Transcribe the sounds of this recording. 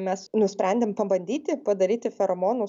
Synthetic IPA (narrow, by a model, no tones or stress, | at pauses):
mʲɛsnʊsʲpʲɾʲɛnʲd̪ʲempɐbɐnʲd̪ʲiːt̪ʲɪpɐd̪ɐɾʲiːt̪ʲɪfʲɛɾɐmoːnʊ